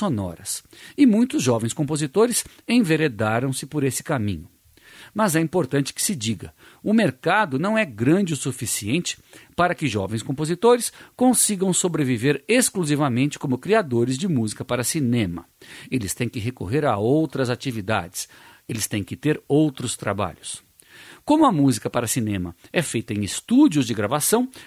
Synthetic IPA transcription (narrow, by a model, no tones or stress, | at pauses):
sonɔ̰ɾɐ̰sɪmũj̃t̪ʊzʒɔvẽj̃skõpozit̪oɾɪs | ẽj̃veɾed̪aɾɐ̃w̃sɪpoɾesɪ̥kamḭ̃ɲʊ | mɐzɛĩmpoɾt̪ɐ̃nt͡ʃɪ̥kɪ̥sɪd͡ʒiɡɐ | ʊmeɾkad̪ʊnɐ̃w̃ɛɡɾɐ̃d͡ʒɪʊsufisiẽnt͡ʃɪ̥ | paɾɐkɪʒɔ̰vẽj̃skõpozit̪oɾɪskõsiɡɐ̃w̃sobɾeviveɾeskluzivɐmẽnt͡ʃɪ̥kõmʊkɾiad̪oɾɪzd͡ʒɪmuzikɐpaɾɐsinẽmɐ̰ | elɪst̪ẽj̃kɪɦekoɦeɾaowt̪ɾɐzat͡ʃivid̪a̰d͡ʒɪ̥s | elɪst̪ẽj̃kɪt̪eɾowt̪ɾʊst̪ɾa̰ba̰ʎʊs | kõmʊɐmuzikɐpaɾɐsinẽmɐɛfejt̪ɐẽj̃ɪst̪ud͡ʒiʊzd͡ʒɪɡɾavasɐ̃w̃